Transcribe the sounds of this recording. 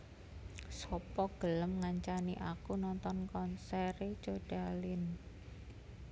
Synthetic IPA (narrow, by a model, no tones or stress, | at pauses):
sɔpɔɡ̥ələmŋaɲt͡ʃaniʔakunɔnt̪ɔnkɔnsɛɾet͡ʃoɖ̥a̤lɪn